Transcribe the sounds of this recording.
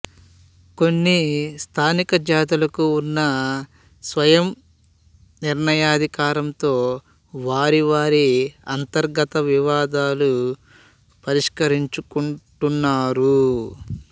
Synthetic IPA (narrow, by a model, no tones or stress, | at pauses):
ko̞nːist̪ʰaːnikɐd͡ʒaːd̪ulɐkuːnːɐ | sʋɐjɐm | niɾɳɐjaːd̪ʱikaːɾɐmt̪o̞ː | ʋaːɾiʋaːɾiɐnt̪ɐɾɡɐt̪ɐʋiʋaːd̪aːlu | pɐɾiʂkɐɾiɲt͡ʃukuɳʈunːaːɾu